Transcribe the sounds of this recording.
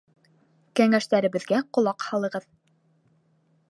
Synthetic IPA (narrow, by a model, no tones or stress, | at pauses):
kæŋæʃt̪æɾɘ̆βɘ̆ðɡæqŏlˠɑqhɑlˠɤ̆ʁɤð